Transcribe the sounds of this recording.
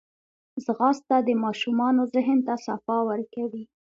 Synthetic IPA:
zɣɑst̪ad̪əmɑʃumɑnozɪɦənt̪asafɑwəɾkawi

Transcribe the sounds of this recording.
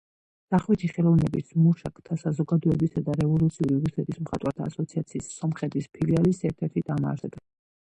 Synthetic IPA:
z̥aχwit̪ʰiχɛlˠɔvnɛbismuʃakʰt̪ʰasazɔɡad̪ɔɛbisad̪aɾɛvɔlˠut̪sʰiuɾiɾusɛt̪ʰismχa̰t̪ʼwaɾt̪ʰaːsɔt̪sʰiat̪sʰiːsɔmχɛt̪ʰispʰilialisɛɾt̪ʰɛɾt̪ʰid̪ama̰ɾɛb̪a

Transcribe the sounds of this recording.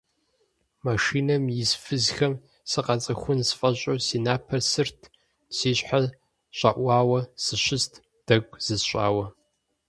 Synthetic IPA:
maʂiːnɐmjɪsfɨzxɐm | sɨqɑt͡sʼɐxʷʊnsfʼɐɕʼosiːnaːpʰɐsɨrtʰ | siːɕʼħaz | ɕʼɐʔʷɑːwɐsɨɕɪstʰ | d̥ɐɡʷʼz̥ɨzɕʷʼa̰ːwɐ

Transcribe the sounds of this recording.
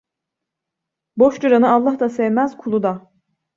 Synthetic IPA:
boʃd̪uɾanɯalˠːaɦd̪asɛvmæz̥kʰulˠud̪a

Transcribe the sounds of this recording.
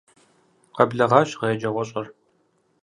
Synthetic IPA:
qɐbɮɐʁɑɕʁɐjɛd͡ʒɐʁʷɔɕʼɐr

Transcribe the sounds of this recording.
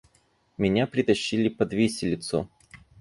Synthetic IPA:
mʲɪnʲapɾʲɪt̪ɐɕːilʲɪpɐd̪vʲesʲɪlʲɪt̪sʊ̰

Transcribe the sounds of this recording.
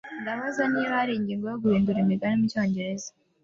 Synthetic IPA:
ndaβazaniβaːɾiːɲɟiːŋɡojoɡuhiːnduɾimiɡanomico̞ːɲɟe̞ɾe̞za

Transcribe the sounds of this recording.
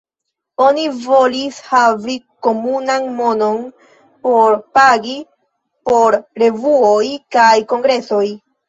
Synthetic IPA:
o̞nivo̞lishaviko̞munanmo̞no̞n | po̞ɾpaɡi | po̞ɾɾe̞vuo̞jkajko̞ŋɡɾe̞so̞j

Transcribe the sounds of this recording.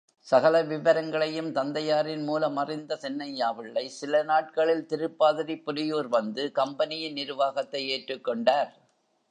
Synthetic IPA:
sɐɣɐlɐʋɪʋɐɾɐŋɡɐɭɐjɯmt̪ɐnd̪ɐjaːɾɪnmuːlɐmːɐrɪnd̪ɐsɛnːɐjaːʋɪɭːɐɪsɪlɐnaːʈ̚kɐɭɪlt̪ɪɾɯpːaːðɐɾipːɔlɪjoːɾʋɐnd̪ɯkɐmbɐnɪjɪnnɪɾɯʋaːɣɐt̪ːɐɪeːʈrɯkːɔɳɖaːɾ

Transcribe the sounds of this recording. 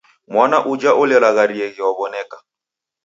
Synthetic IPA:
mwanaʔud͡ʒaʔulɛɾaɣaɾiɛɣiwaβɔnɛka

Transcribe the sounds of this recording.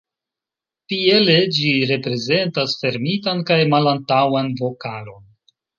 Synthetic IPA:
tie̞le̞d͡ʒiɾe̞pɾe̞ze̞ntasfe̞ɾmitankajmalantawanvo̞kalo̞n

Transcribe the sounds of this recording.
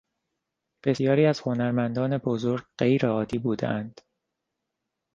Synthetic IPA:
b̥e̞sjɒːɾiːæz̥ho̞næɾmænd̪ɒːne̞bozoɾɡ̚ɢejɾeɒːd̪iːbuːd̪ḛʔænd̪̥

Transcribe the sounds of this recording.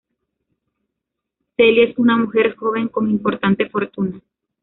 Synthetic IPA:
selie̞sunamuxe̞ɾxo̞βe̞ŋko̞ŋimpo̞ɾt̪ant̪e̞fo̞ɾt̪una

